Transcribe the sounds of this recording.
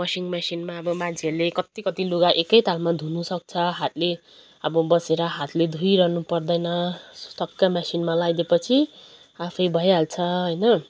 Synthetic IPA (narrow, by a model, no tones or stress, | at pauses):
mʌsiŋmasinmaʌbʌmãnt͡sʰiʌɾulekʌt̪ikʌt̪iluɡaʔekʌjt̪almad̪ʱunusʌk̚t͡sʰʌɦat̪le | ʌbʌbʌseɾʌɦat̪led̪ʱujɾʌɦnupʌrd̪ʌjnʌsu̥t̪ʌkːamasinmalajd̪epʌt͡sʰi | apʰʌjbʱʌjɦalt͡sʰʌɦʌjnʌ